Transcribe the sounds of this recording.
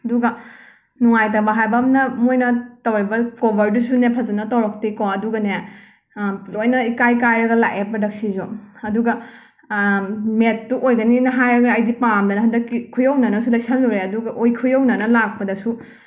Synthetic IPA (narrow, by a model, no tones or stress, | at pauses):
ɐduɡɐ | nuŋajtɐbɐɦajbɐmnɐmojnɐtɐwɾibɐkobʱɐɾdusunepʰɐzɐnɐtɐwɾɔk̚tikoɐduɡɐne | lojnɐikajkajɾɐɡɐla̰ʔepɐdɐk̚sizoɐduɡɐ | metːuʔojɡɐninɐɦajɾɐɡːjdipamdɐnɐɦɐndɐkːikʰːujɐwnɐnɐsulɐjsɐluɾeɐduɡɐʔojkʰujownɐnɐlak̚pɐdɐsu